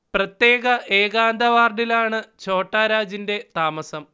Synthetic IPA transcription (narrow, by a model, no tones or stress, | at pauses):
prɐt̪je̞ːɣɐʔeːɣaːnd̪ʱɐʋaːrɖilaːɳɨt͡ɕo̞ːʈːaːɾaːd͡ʑinde̞t̪aːmɐsɐm